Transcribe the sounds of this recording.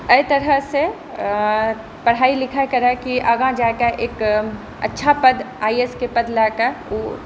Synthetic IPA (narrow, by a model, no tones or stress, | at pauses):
əɪt̪əɾəɦse | pəɽ̤aːilɪkʰakəɾɛkiʔəɡãd͡ʒakaʔeːk | ə̰tːʃʰapəd̪ʱ | aːieskepəd̪lakəo